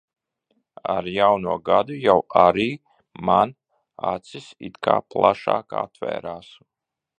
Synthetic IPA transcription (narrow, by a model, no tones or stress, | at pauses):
a̰ɾjawnuɔɡad̪ujawaɾiː | man | a̰t̪sisḭt̪ka̰ːplˠaʃa̰ːka̰t̪vɛ̰ːɾaːs